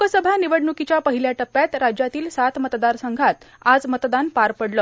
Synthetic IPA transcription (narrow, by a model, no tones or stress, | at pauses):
kəsəbʱaniʋəɽɳukit͡ɕjapəɦiljaʈəpːjat̪ɾad͡ʑjat̪iːlsat̪mət̪d̪aɾsəŋɡʱat̪ | ad͡zmət̪d̪anpaɾpəɽlə